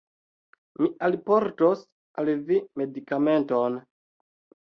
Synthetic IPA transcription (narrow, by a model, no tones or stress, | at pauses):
miʔalpo̞ɾtos | alvime̞dikame̞nton